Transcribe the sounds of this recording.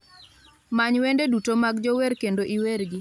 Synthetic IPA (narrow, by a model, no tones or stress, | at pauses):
maɲwendedutomaɡd͡ʒɔweɾkendoʔiweɾɡɪ